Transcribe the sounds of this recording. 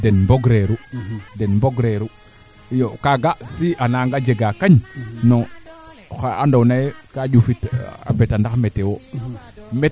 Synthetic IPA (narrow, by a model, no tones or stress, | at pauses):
denmboɡɾeɾudenmboɡɾeɾu | jokaɡasiʔanaŋɡad͡ʒeɡakaɲno | xaandownajekad͡ʒufita̰betandakmetewo | me